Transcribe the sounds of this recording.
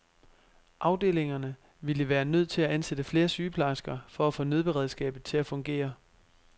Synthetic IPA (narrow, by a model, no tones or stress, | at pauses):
ʔɑ̈ʊd̥e̝̰ːle̝ŋɐnə | ʋiləʋæːɐnøð̞̰ˠt͡sʰe̝læænsed̥əfle̝ːɐsyːpʰlɑ̈sɡ̥ɐfɒ̽æfɔ̽ːnøð̞ˠb̥e̝ʁɛð̞ˠsɡ̥ɛ̰ːb̥ð̩ˠt͡sʰe̝æfɔ̽ŋɡ̥e̝̰ːɐ